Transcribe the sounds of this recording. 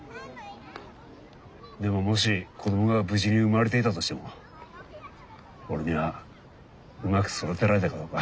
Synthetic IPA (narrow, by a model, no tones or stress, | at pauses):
d̪e̞mo̞mo̞ɕ̬ikʰo̞d̪o̞moɡabɯ̟ʑiɲ̟iɯ̟maɾe̞t̪e̞it̪at̪o̞ɕi̥t̪e̞mo̞ | oɾeɲ̟iβa | ɯmakɯ̥soɾat̪e̞ɾaɾe̞t̪akad̪o̞ːka